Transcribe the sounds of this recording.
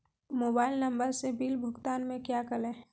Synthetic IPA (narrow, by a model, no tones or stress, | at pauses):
moːbaːɪlnəmbəɾsebiːlbʱʊɡt̪aːnmẽkjakəlẽː